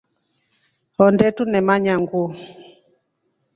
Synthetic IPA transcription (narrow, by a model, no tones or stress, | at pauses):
ɔndɛtunɛmaɲaŋɡu